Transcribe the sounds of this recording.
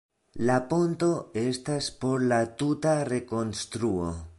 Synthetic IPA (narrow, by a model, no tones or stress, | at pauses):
lapo̞nto̞e̞staspo̞ɾlatutaɾe̞ko̞nstɾuo̞̰